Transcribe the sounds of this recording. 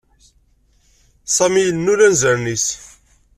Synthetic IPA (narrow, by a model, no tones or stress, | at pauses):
sˤɑmijənːulænzəɾnis